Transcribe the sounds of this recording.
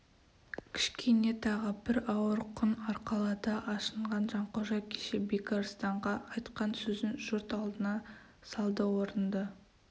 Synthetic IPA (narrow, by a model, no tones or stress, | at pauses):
kʲʰɪ̥ʃkʲe̞ne̞t̪ʰɑʁəbɪɾɑwəɾqʰʊnɑɾqɑlˠɑd̪ɑʔɑʃəɴʁɑnʒɑɴqoʒɑkʲʰe̥ʃebekɑɾst̪ɑɴʁɑːjt̪qɑnsɵzɪnʒʊɾt̪ɑlˠd̪ənɑ | sɑlˠd̪əwoɾənd̪ə